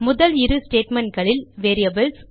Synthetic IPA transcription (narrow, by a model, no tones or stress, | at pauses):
mʊðɐlɪɾɯsʈeːʈmɛnʈ̚ɡɐɭɪlʋeːɾijɐbɐls